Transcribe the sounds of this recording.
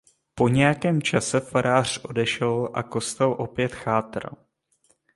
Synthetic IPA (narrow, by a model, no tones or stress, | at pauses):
po̞ɲɛjakɛːmt͡ʃasɛfaɾaːr̝̥ʔo̞dɛʃɛlʔa̰ko̞st̪ɛlʔo̞pjɛt̪xaːt̪rl̩